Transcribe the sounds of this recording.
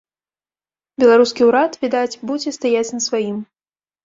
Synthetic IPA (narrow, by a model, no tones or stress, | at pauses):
bʲɛlˠaɾuskʲiwɾat̪vʲid̪at͡sʲbud͡zʲɛst̪ajat͡sʲnɐsvajim